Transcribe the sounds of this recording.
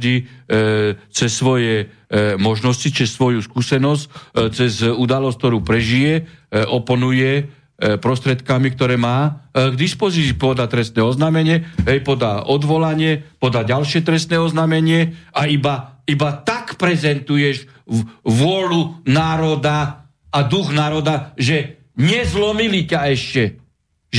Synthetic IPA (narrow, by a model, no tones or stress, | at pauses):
i | t͡sɛsːʋɔjɛ | mɔʒnɔscit͡sɛsːʋɔjuskuːsɛnɔsct͡sɛzud̪alɔsk̚t̪ɔɾuːpɾɛʒijɛʔɔpɔnujɛ | pɾɔst̪ɾɪɛt̪kamikt̪ɔɾɛːmaːɡd̪ispɔzit͡siːpɔd̪at̪ɾɛst̪nɛɔznaːmɛɲɪɛɦɛjpɔd̪a̰ʔɔd̪ʋɔlaɲɪɛpɔd̪aɟalʃɪɛt̪ɾɛst̪nɛɔznamɛɲɪɛaibaibat̪akpɾɛzɛnt̪ujɛʒ | ʋʊɔlunaːɾɔd̪a | ad̪uɣnaːɾɔd̪aʒɛ | ɲɪɛzlɔmilicaɛʃcɛ | ʒ